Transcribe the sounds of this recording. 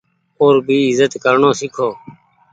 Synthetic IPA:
oːɾbʱiːɪzət̪kəɾɳoːsɪkʰoː

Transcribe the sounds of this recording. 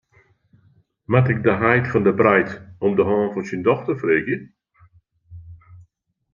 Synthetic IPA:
matɪk̚dəɦajtfɔndəbrɛjtɔmdəɦɔ̃ːnfɔnsindɔxtərfreːɡjə

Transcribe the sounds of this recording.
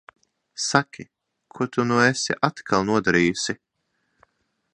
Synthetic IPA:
sakʲʰi | kʰuɔt̪unuesḭʔat̪kʰalˠnuɔd̪aɾiːjusi

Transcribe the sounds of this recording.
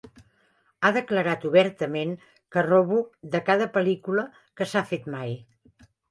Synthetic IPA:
aðəkləɾat̪uβɛɾt̪əmeŋ | kərɔβuðəkaðəpəlikulə | kəsafet̪maj

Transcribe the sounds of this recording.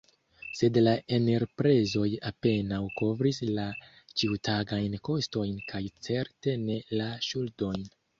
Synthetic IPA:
se̞dlae̞ne̞ɾpɾe̞zo̞jape̞nawko̞vɾisla | t͡ʃiutaɡajnko̞sto̞jnkʰajt͡se̞ɾte̞ne̞laʃuldo̞jn

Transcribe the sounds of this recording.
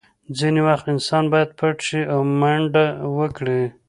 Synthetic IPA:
d͡zinewaxt̪ɪnsɑnbɑjad̪̚pʰaʈʃiʔawmaɳɖawəkɽi

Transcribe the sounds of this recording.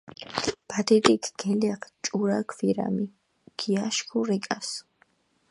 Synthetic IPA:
pʰat̪ʰɛt̪ʼikʰɡɛlɛqʰt͡ʃʼuɾakʰfiɾa̰mi | ɡ̥ʰijaʃkʰuɾɛkʼas

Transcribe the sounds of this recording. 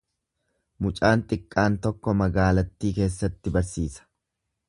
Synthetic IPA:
mʊt͡ʃʼaːnt̪ʼɪkʼːaːnt̪ɔkːɔmɐɡaːlɐt̪ːiːke̞ːsːɐt̪ːɪbɐɾsiːsɐ̥

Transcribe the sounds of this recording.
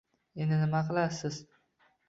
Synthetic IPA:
enɪnɪmaqɨlˠasɪz̥

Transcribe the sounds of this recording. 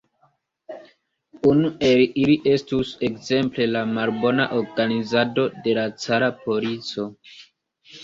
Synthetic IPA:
unue̞liliʔe̞stuse̞kze̞mple̞lamalbo̞na̰ʔoɾɡanizado̞de̞lat͡saɾapo̞lit͡so̞

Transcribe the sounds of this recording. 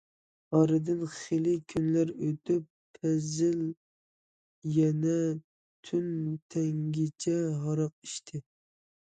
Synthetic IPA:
ɑɾɨd̪ɨnχelɪkʲʰynlæɾøt̪ʰypʰːɛzɪl | jɛnɛ | t̪ʰynt̪ʰɛŋɡʲɪt͡ʃʰɛɦɑɾɑq̚iʃt̪ʰɪ

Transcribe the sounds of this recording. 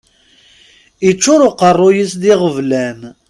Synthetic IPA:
it͡ʃːʊɾʊqərˤːʊjəsðɪʁəvlæm

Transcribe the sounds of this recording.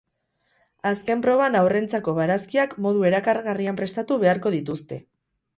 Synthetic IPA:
aske̞mpɾo̞βanawre̞nt͡sako̞βaɾaskiakmo̞ðue̞ɾakarɣariampɾe̞st̪at̪uβe̞aɾko̞ðit̪ust̪e̞

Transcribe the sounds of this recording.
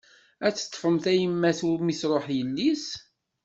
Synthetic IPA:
æt͡sːə̥t̪ˤːfəmθæjəmːæθʊɾmisɾˤoħjəlːis

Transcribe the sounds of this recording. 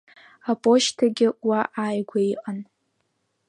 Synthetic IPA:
apʼo̞ʃtʰaɡʲɪwaʔaːjɡʷaiqʼan

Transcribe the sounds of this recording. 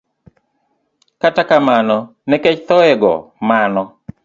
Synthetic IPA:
katakamanɔ | nɛket͡ʃt̪ɔɛɡɔ̰manɔ

